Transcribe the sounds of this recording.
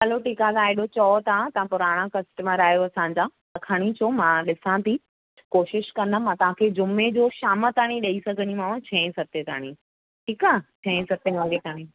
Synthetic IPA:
ɐloʈiːkat̪ʰãɪɗot͡ɕɔːt̪ãt̪ɐãpʊɾaːɽ̃ãkɐsʈəməɾaːijoɐsãːɲ̆d͡ʑã | ɐkʰaɽ̃it͡ɕʰomãːɗɪsãt̪ʰi | koːʃɪʃkɐ̃nəmãt̪ɐʋ̤ãkʰed͡ʑʊmed͡ʑoːʃaːmət̪aːɽ̃ĩɗɐisɐɡʱəɲimãːʋ̃t͡ɕʰɛ̃ːsɐt̪et̪a̰ːɽ̃ĩ | ʈʰiːkaːt͡ɕʰɛ̃ːsɐt̪eʋɐ̃ɡ̪it̪ʰaːɽ̃ĩ

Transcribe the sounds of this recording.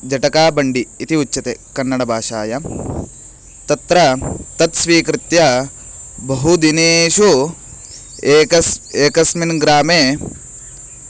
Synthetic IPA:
d͡ʒɐʈɐkaːbɐɳɖiːt̪iut͡ʃːt͡ʃːɐt̪ekɐnːɐɽɐbʱaːʃaːjɐ | t̪ɐt̪ɾɐt̪ɐt̪sʋiːkɾɪt̪jɐ | bɐɦud̪ineːʃu | eːkɐseːkɐsminɡɾaːmeː

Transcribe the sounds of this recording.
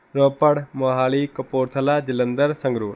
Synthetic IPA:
ɾoːpəɽmoɦaːliːkɐpoːɾt̪ʰəlaːd͡ʒɪlə̃nd̪əɾsə̃ŋɡɾuː

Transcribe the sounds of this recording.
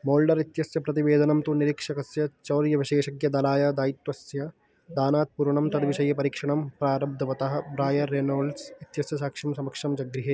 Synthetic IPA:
moːlɖɐɾit̪jɐsjɐpɾɐt̪iʋeːd̪ɐnɐmt̪uniɾikʂɐkɐsjɐt͡ʃɐːɾjɐʋiʃeːʃɐɡjɐd̪ɐlaːjɐd̪aːit̪ʋɐsjɐ | d̪aːnaːt̪̚puɾɐɳɐmt̪ɐd̪ʋiʃɐjːɐpɐɾikʂɐɳɐmpɾaːɾɐb̚d̪ʱɐʋɐt̪ɐɦɐbɾaːjɐːeːnoːlsit̪jɐsjɐsaːkʂɐmsɐmɐkʂɐmd͡ʒɐɡɾiɦe

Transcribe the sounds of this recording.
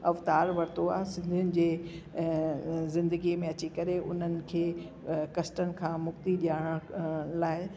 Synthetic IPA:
ɐft̪aːɾʋɐɾt̪oaːɦsɪ̃nd̪ʱijʊnɪ̆d͡ʑeː | zɪ̃nd̪əɡimẽɐt͡ɕikɐɾeʔʊn̤ənɪ̆kʰeː | kɐsʈənɪ̆kʰãːmʊkt̪iɗijaːɽ̃əɽ̃laːɪ

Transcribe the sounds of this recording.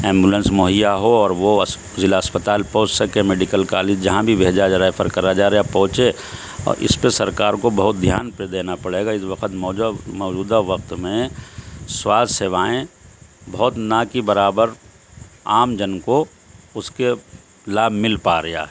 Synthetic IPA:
ɛ̃ːmbulə̃nsmoːɦijaɦoɔːɾʋo | zɪlaɐspət̪aːlpɔ̃ːʊt͡ʃsɐkẽmeːɖɪkəlkaːlɪd͡ʒd͡ʒɐɦãbʱibʱeːd͡ʒad͡ʒɾaːepʰəɾkɐɾad͡ʒaːɾɐjapɔ̃ɦt͡ʃe | ɔ̰ːɾɪ̰spesɐɾkaːɾkobɐɦʊt̪̚d̪ʱjaːnped̪eːnapɐɽeːɡaɪsʋɐqət̪mɔːmɔːd͡ʒuːd̪aʋɐqt̪mẽ | swaːd̪ʱseːʋaːẽbɐɦʊt̪nakibɐɾaːbəɾ | aːmd͡ʒənko | ʊske | laːbʱmɪlpaːɾɐja̰ː

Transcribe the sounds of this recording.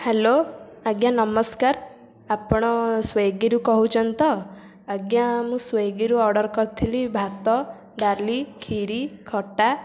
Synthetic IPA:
heloaɡjanɔmɔskaɾ | apɔɽ̃ɔsweɡiɾukɔɦut͡ʃʰɔnt̪ɔ | əɡjamũswejɡiɾuɔɾɖɔɾkɔɾt̪ʰilibʱat̪ɔ | ɖaɾlikʰiɾikʰɔʈa

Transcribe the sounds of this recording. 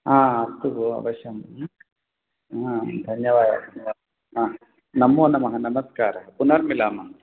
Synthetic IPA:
ɦãːɐst̪uʋuɐ̰ʋɐʃjɐm | ɦãd̪ʱɐɲjɐʋaːd | aː | nɐmːoːnɐmɐɦɐnɐmɐskaːɾɐɦɐpunɐɾmilaːmɐŋ

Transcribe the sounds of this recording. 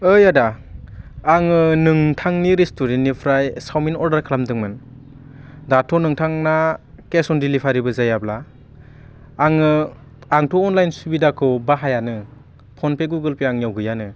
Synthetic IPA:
ɯjada | aŋɯnɯŋtʰaŋniɾestɔɾenːipʰɾajsawminɔɾdaɾkʰalamdɯŋmɯn | datʰɔnɯŋtʰaŋna | kesɔndilipʰaɾibɯzajabla | ŋɯ | aŋtʰɔːnlajnsubidakʰɯwbaɦajanɯ | pʰɔnpʰeɡuɡɯlpiaŋjawɡɯjanɯ

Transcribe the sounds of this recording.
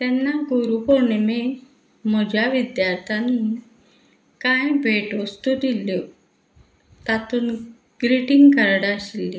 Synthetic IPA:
t̪ɛnːaɡoɾupoɳeme | m̤ɔd͡ʑʱjaʋid̪jaɾt̪ʰani | kãjbʱeʈost̪ud̪ilo | t̪at̪uːn | ɡ̥ɾiʈiŋɡkəɾɽaɕili

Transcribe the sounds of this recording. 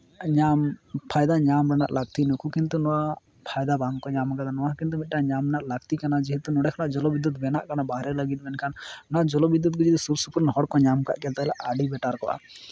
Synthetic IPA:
ɲampʰajd̪aɲamɾɛna̰ʔlaɡ̚t̪inɔkʰukint̪unɔwa | pʰajd̪abaŋkɔɲamkad̪anɔwakint̪umit̪̚ʈaɲamnaʔlaɡt̪ikanad͡ʒiɦit̪unɔɽɛkʰanaʔd͡ʒɔlɔbid̪ut̪̚bɛna̰ʔkanabaɾɛləɡit̪̚ˀbɛnkʰannɔwad͡ʒɔlɔbid̪ːut̪̚ɡud͡ʒit̪usuɾsupuɾnɦɔɽkɔɲamka̰ʔkɛlt̪aɛlaʔaɖibɛʈaɾkɔʔa̰

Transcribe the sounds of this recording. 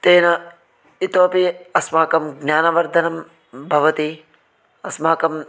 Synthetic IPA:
t̪eːnɐ | it̪oːpiɐsmaːkɐmɡnjaːnɐʋɐɾd̪ʱɐnɐm | bʱɐʋɐt̪i | ɐsmaːkɐm

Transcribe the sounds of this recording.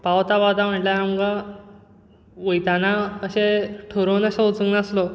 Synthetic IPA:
pawt̪abad̪am̤əʈljaamɡa | ʋojt̪anaəɕeʈʰoɾonəɕaɦot͡suŋɡnəslo

